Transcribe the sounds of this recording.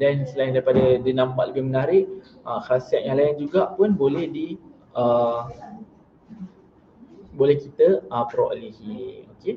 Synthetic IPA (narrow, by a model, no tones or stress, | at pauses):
dansəlajindaɾipadadinãmpaʔləbɪhmənaɾɪʔ | əkasiɛʔ̚jãlajɛnd͡ʒuɡaʔpʊnbolɛhdi | ə | bolɛhkit̪əəpɾoʔəlihioke